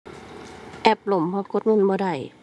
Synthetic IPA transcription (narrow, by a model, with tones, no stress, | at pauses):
ʔɛ˧˩p̚lo˨˩˦mpʰɔː˧ko˦t̪̚mɯ˧˥˨nbɔː˧da˧˩j